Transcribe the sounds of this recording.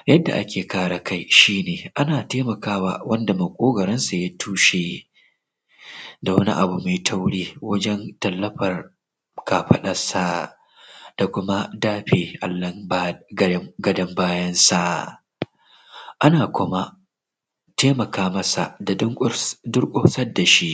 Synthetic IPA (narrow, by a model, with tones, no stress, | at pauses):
jɐ˦dːa̰˨ʔa˦kʲeː˨kaː˦ɽa˨ka˦jʃiː˦neː˨ʔa˦naː˨teː˦mɐ˨kaː˦wa̰ː˨wɐ˦nda˨mɐ˨kʷʼoː˦ɡɐ˨ɾɛ˦nsa˨ja˦tuː˦ʃeː˦ | da˨wɐ˦nḭ˦ʔa̰˨bu˨ma˨tʰa˦wɽeː˦wɐ˦d͡ʒɛ˦ntɐ˨lːɐ˦ɸɐ˨r | kaː˨ɸɐ˦ɗɐ˨sa˦ | d̥a˨kʷʊ˦ma˦daː˦ɸeː˨ʔa˨lːɐ˦ | ɡɐ˦dɐ˦mbaː˦jɐ˦nsa˨ | ʔa˦naː˨kʷʊ˦ma˦ | teː˦mɐ˨kaː˦mɐ˦sa̰˨da˨˦ŋ˦dʊ˦rkʷʼʊ˦ɸsɐ˦da˨ʃi˦ʔ